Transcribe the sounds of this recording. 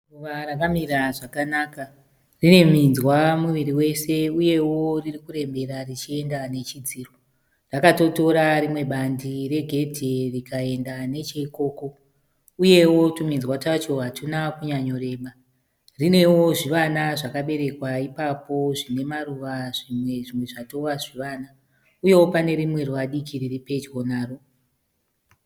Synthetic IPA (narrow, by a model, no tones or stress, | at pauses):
ruʋarakamiraʐakanaːka | rine̞minzwamuʋiɾiwe̞se̞uje̞wo̞ririkuɾe̞mbe̞ɾarit͡ʃie̞ndane̞t͡ʃid͡ziːro | rakato̞to̞ɾarimwe̞ɓandire̞ɡʱe̞dʱerikae̞ndane̞t͡ʃeiko̞ːko̞ | uje̞wo̞tuminzwat͡ʃat͡ʃo̞ɦatunakuɲaɲo̞ɾe̞ːɓa | rine̞wo̞ʐiʋanaʐakaɓe̞ɾe̞kwaipapo̞ʐine̞maruʋaʐimwe̞ʐimwe̞ʐato̞ʋaʐiʋana | uje̞wo̞pane̞ɾimwe̞rwaɗikʰiriripe̞d͡ʒɡo̞naːro